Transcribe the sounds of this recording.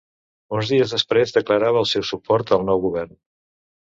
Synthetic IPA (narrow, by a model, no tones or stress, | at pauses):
unzðiəzðəspɾezðəkləɾaβəːlˠsɛwsupɔɾt̪əlˠnɔwɣuβɛrn